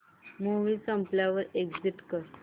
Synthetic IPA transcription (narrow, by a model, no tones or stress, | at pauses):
muʋiːsəmpljaʋəɾeɡd͡ziʈkəɾ